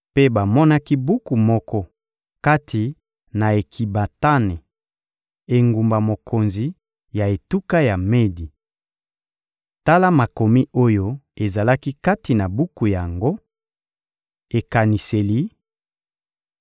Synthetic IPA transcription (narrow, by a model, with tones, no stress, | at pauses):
pe˦ba˨mɔ˦na˦ki˦bu˦ku˨mɔ˦kɔ˦ | ka˦tʰi˨ | na˨e˨kʰi˨ba˨ta˦nɛ˨ | e˨ŋɡu˨mba˨mo˨kʰo˨nzi˨ | ja˨e˨tu˦ka˦ja˨me˦di˨ | ta˦la˦ma˨ko˨mi˦o˦jo˦e˨za˨la˦ki˦ka˦ti˨na˨bu˦ku˨ja˨ŋɡo˦ | e˨ka˨ni˨se˨li˨˦